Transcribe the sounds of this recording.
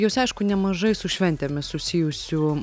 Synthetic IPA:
joːsɐɪʃkʊnʲɛmɐʒɐɪsʊʃʲʋʲɛnʲt̪ʲɛmʲɪssʊsʲɪjʊsʲʊ

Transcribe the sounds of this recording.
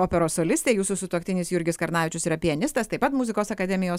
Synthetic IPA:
oːpʲɛɾoːssoːlʲɪsʲt̪ʲeːjuːsʊsʊt̪uɔkt̪ʲɪnʲɪsjʊɾʲɡʲɪskɐɾnɑːʋʲɪt͡ʃʲʊsɪɾɐpʲɪɛnʲɪst̪ɐst̪ɐɪpɐt̪mʊzʲɪkoːsɐkɐd̪ʲɛmʲɪjoːs

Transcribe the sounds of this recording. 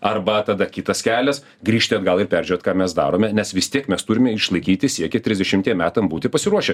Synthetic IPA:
ɐrbɐt̪ɐd̪ɐkʲɪt̪ɐskʲæːlʲɛs | ɡɾʲiːʃʲt̪ʲɪɐd̪ɡɐlˠɪrpʲæːɾʲd͡ʒʲʉɾʲoːt̪kɑːmʲɛsd̪ɑ̰ːɾoːmʲɛnʲɛsʋʲɪst̪ʲiɛkmʲɛst̪ʊɾʲɪmʲɛɪʃlˠɐɪkʲiːt̪ʲɪsʲiɛkʲɛt̪ʲɾʲɪzʲd̪ʲɛʃʲɪmʲt̪ʲiɛmʲæːt̪ɐmbuːt̪ʲɪpɐsʲɪɾuɔʃʲɛ

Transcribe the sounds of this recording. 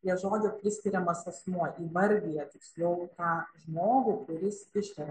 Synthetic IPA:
jʲiɛʒoːd͡ʒʲopʲɾʲɪsʲkʲɪɾʲɛmɐsɐsmuɔʔiːʋɐɾʲɡʲijɛt̪ʲɪksʲlʲɛʊt̪ɑːʒmoːɡukʊɾʲɪsɪʃʲtʲɛɾʲɛ

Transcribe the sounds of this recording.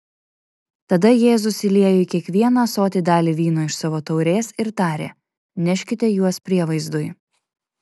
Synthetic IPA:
t̪ɐd̪ɐjeːzʊsɪlʲeɛjoɪkʲiɛkʋʲiɛnɐsoːt̪ʲɪd̪ɑːlʲiʋʲiːnoɪʃsɑʋoːt̪ɒʊɾʲeːsɪɾt̪ɑːɾʲḛː | nʲɛʃʲkʲɪt̪ʲɛjuɔspʲɾʲiɛʋɐɪzd̪ʊɪ

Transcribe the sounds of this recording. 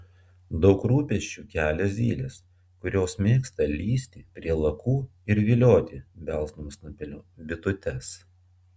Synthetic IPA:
d̪ɒʊkɾuːpʲɛʃʲt͡ʃʲuːkʲæːlʲɛsʲiːlʲes | kʊɾʲoːsmʲeːkst̪ɐlʲiːsʲt̪ʲɪpʲɾʲiɛlˠɐkuːɪɾʋʲɪlʲoːt̪ʲɪbʲɛlˠˑsnumsnʊpʲɪnʲʊbʲɪt̪ʊt̪ʲɛs

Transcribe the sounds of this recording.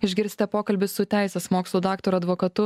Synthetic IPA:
ɪʒʲɡʲɪɾʲsʲt̪ʲɛpoːkɐlʲbʲɪsʊt̪ʲæˑɪsʲeːsmoːkslˠuːd̪ɑːkt̪oːɾɐd̪ʋoːkɐt̪ʊ

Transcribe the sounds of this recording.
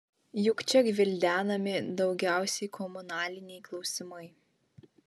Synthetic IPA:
jʊkt͡ʃʲɛɡʋʲɪlʲd̪ʲæːnɐmʲɪd̪ɒʊɡʲæˑʊsʲɛɪkʰɔmʊnɑːlʲɪnʲɛɪklˠɒʊsʲɪmɐɪ

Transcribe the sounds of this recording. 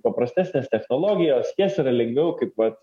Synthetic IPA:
pɐpɾɐsʲt̪ʲæːsʲnʲeːst̪ʲɛxnoːlˠoːɡʲɪjoːsjisiɾɐlʲɛŋɡʋʲɛʊkɐɪpʋɐt̪

